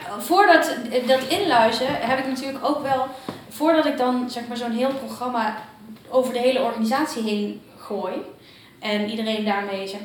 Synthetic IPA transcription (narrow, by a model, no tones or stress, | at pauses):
vʊːɹdɑtdɑtɪnlœɥzəɦɛpɪknatyːɹləkowkʋɛlˠv̥ʊːɹdɑtɪk̚dɑnz̥ɛχmaːɹzonɦɪːlˠproχrɑmaːowvəɹdəɦejləɔɹχaːnizaːtsiɦejn | χoːj | ʔɛnidərejndaːɹmejzɛ